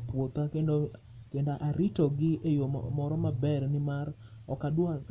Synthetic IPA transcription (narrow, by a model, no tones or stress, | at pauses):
pwot̪akendo | kendaʔaɾɪtɔɡɪejomɔɾɔmabɛrnɪmar | ɔkadwa